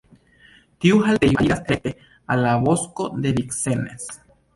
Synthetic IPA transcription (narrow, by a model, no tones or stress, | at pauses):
t̪iuɦalt̪ejaiɾast̪et̪e | alaβoskod̪eβiksenes